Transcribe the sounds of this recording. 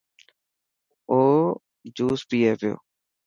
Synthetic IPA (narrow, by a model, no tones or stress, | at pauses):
oː | d͡ʒuːspiːeːpɪjo̰ː